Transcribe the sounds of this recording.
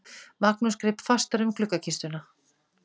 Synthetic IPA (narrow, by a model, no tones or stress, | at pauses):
maknuskɾɪpfast̪aɾʏmkʰlʏkːacʰɪst̪ʏna